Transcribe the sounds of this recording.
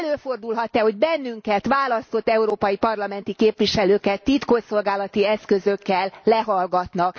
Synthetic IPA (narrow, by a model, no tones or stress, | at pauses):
løːfo̞rd̪ulɦɒt̪ːɛho̞ɟbɛnːyŋkɛt̪ʋaːlɒst̪o̞t̪ːɛuɾoːpɒjipɒrlɒmɛnt̪ikeːpʋiʃɛløːkɛt̪ːit̪koso̞lɡaːlɒt̪iɛskøzøkːɛlːɛɦɒlɡɒt̪nɒk